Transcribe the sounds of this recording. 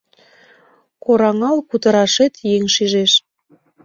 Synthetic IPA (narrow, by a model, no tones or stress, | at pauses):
koɾɑŋɑlkut̪əɾɑʃet̪jeŋʃiʒeʃ